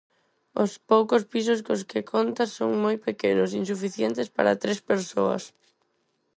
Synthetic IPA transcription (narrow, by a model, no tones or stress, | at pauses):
ʊspowkʊspisʊs̬koskekʰont̪asoŋmojpekenos̬insufiθjent̪ɪspa̰ɾɐ̰t̪ɾespeɾso̰ɐ̰s